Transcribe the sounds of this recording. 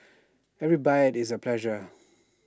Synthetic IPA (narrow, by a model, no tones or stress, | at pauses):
ɛvɹibajətɪs̬əpʰlɛʒə